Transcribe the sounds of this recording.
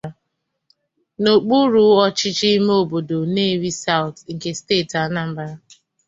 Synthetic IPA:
no˨k͡pu˦ɾu˨˦ɔ˦t͡ʃɪ˦t͡ʃi˦m˦o˦˨bo˨do˨ne˦ɾi˦sa˦˨wtŋ̩˨ke˨ste˦˨ta˨˦na˦m̩˦ba˦ɾa˦

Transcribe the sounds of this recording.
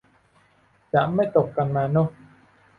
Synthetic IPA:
t͡ɕa̰ː˧˨˦mːa˧˥˩jt̪o˨˩kka˨˩nmaː˨˩no˧˩

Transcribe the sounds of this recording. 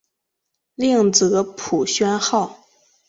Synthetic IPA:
li˥˩ŋt͡sɤ˧˥pʰu˨˩ɕɥɛ˥nxɑ˥˩ʊ

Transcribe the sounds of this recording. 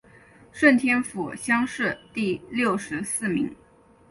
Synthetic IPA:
ʂwə˥˩nt̪ʰjɛ˥nfu˨˩ɕjɑ˥ŋʂɻ̩˥˧t̪i˥˧ljo˥˩ʊʂɻ̩˧˥sɹ̩˥˩mḭ˧˥ŋ

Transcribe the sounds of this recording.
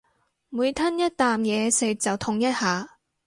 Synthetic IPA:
muː˨˧jt̪ʰɐ˥njɐ˥t̚t̪aː˨mjɛː˨˧sɪ˨˧k̚t͡sɐ˨wt̪ʰʊ˧ŋjɐ˥t̚haː˨˧

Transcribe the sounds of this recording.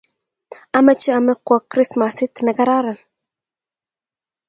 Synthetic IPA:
a˦mɛ˦t͡ʃi˦a˨mɛ˦kwɔ˨kɾi˦sma˨si˦tnɛ˨ɡa˦ɾa˦ɾə˨n

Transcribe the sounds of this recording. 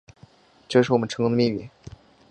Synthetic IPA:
ʈ͡ʂɤ˥˧ʂɻ̩˥˩ɔ˨˩ə˦nʈ͡ʂʰɤ˧˥ŋkʊ˥d̪ə˧mi˥˧mḭ˥˩

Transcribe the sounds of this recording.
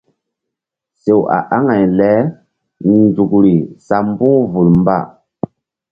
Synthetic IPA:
se˨wa̰˨ʔa˦ŋa˨jlɛ˦ | n˨d͡zu˨kɾi˨sa˨m˦bu˦ŋvu˨lmba̰˦˨

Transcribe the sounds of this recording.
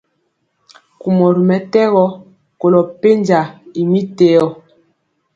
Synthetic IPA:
ku˨mɔ˨ɾi˨mɛ˨tɛ˦ɣɔ˦ | ko˨lɔ˨pe˦nd͡ʒa˨i˨mi˦te˨˦ɔ˦

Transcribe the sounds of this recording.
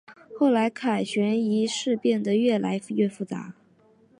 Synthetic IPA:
xo˥˩ʊla˧˥ɪkʰa˨˩ɕɥɛ˧˥ni˧˥ʂɻ̩˥˧pjɛ˥˩nd̪ə˩ɥɛ˥˩la˧˥ɪɥɛ˥˧fu˥˩t͡sa̰˧˥

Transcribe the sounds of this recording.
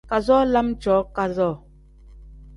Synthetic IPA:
ka˨zɔ˦la˦md͡ʒɔ˨˦ka˨zɔː˦˨

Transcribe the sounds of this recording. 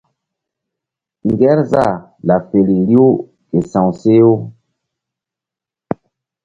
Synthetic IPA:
ŋ˨ɡɛ˦ɾza˦˨ | la˨fe˨li˨li˦o˦ | ke˨sã˨wse˦o˦

